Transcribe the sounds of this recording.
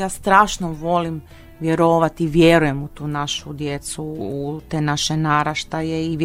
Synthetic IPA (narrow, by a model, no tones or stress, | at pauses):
jaːst̪ɾaːʃnoʋo̞lim | ʋjeɾoːʋat̪iʋjeɾuje̞mut̪uːnaʃud̪jet̪sut̪eːnaʃenaɾaʃt̪ajeiʋ